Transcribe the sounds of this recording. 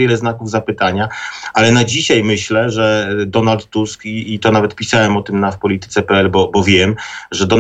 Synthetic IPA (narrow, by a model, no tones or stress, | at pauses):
jɛlɛznakuvzapɘt̪aɲaʔalɛnad͡ʑiɕajmɘɕlɛʐɛd̪ɔnalt̪ːuskiːt̪ɔnavɛt̪̚pʲisawɛmɔt̪ɘmnafpɔlʲit̪ɘ̥t̪sɛpɛɛlbɔbɔvʲjɛmʐɛd̪ɔ